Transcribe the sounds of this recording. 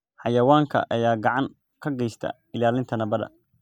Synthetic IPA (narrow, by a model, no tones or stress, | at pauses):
ħɑjɐwaːŋkʰɐ̰ʔɐjaːɡɑʕɑŋ | kʰɐɡɛjst̪ʰɐ̰ | ɪlaːlɪnt̪ʰɐnɐbɐðɐ̰